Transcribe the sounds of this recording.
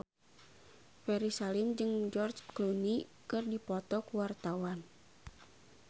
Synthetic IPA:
fɛɾisalimd͡ʒɨŋd͡ʒɔrd͡ʒklunikɨrdipɔt̪ɔkuwart̪awan

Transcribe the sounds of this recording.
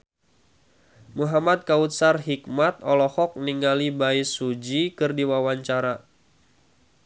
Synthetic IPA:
muɦamad̪̚kaut̪̚sarɦik̚mat̪̚ɔlɔhɔk̚niŋalibaisud͡ʒikɨrdiwawaɲt͡ʃaɾa

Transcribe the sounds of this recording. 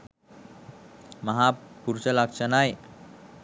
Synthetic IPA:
məɦapuɾt͡ɕalakt͡ɕanaj

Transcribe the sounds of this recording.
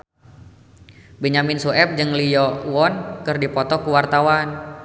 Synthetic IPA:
biɲamɪnsuɛp̚d͡ʒɨŋlijɔwɔnkɨrdipɔt̪ɔkuwart̪awan

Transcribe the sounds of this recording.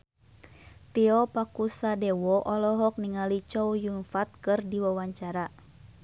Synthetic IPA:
t̪iɔpakusadɛwɔʔɔlɔɦɔk̚niŋalit͡ʃɔwjunfat̪̚kɨrdiwawaɲt͡ʃaɾa

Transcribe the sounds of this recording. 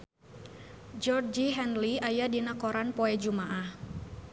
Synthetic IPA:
d͡ʒɔrd͡ʒiɦɛnliajadinakoɾanpoɛd͡ʒumaʔah

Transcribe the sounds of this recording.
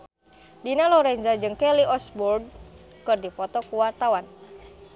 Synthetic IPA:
dinalɔɾɛnzad͡ʒɨŋkɛliʔɔsbɔrd̚ | kɨrdipɔt̪ɔkuwart̪awan

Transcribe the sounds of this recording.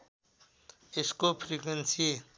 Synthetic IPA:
eskopʰɾikwensie

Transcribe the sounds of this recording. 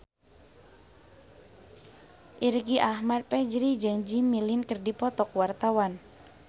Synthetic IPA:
ʔirɡiʔahmat̪̚pɛd͡ʒɾid͡ʒɨŋd͡ʒimːilinkərdipɔt̪ɔkwart̪awan

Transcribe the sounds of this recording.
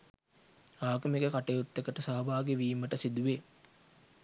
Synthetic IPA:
aːɡəmekəkaʈejut̪ːekəʈəsaɦɐbaːɡeʋiːməʈəsid̪uʋe

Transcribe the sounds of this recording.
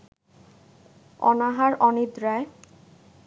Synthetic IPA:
ɔ̰naɦaɾɔnid̪ɾae

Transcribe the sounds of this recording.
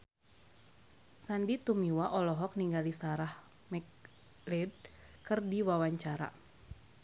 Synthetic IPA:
sandit̪umiwaʔɔlɔɦɔk̚niŋɡalisaɾah | mɛk | lɛd̚ | kɨrdiwawaɲt͡ʃaɾa̰

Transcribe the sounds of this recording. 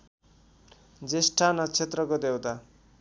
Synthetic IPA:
d͡zesʈʰanʌt͡sʰet̪rʌkod̪ewt̪a

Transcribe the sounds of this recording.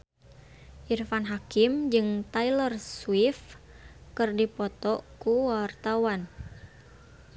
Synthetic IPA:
ʔirfanɦakɪmd͡ʒɨŋt̪ailərswif | kɨrdipɔt̪ɔkuwart̪awan

